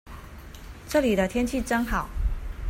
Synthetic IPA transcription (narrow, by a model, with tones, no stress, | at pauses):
ʈ͡ʂɤ˥˩li˨˩d̪ə˦t̪ʰjɛ˥nt͡ɕʰi˥˩ʈ͡ʂɤ˥ŋxɑ˨˩˦ʊ